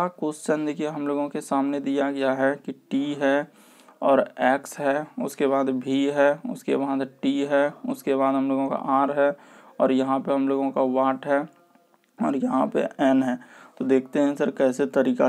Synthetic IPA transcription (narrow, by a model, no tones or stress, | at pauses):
akʊst͡ʃənd̪kiɦɐmloːɡõkesaːmned̪ijaɡɐjaɦɛkiʈiɦɛ | ɔːɾɛːksɦɛʊskeβaːd̪bʱiɦɛːʊ̰skḛbaːd̪ʈiːɦɛːʊskebaːd̪ɦəmloːɡõka̰ʔaːɾɦɛɔːɾjɐɦãpeɦɐmloːɡõkaʋaːʈɦɛː | ɔːɾjɐɦãpḛɛːnɦɛːt̪od̪eːkʰt̪eɦɛ̃səɾkɛːset̪əɾiːka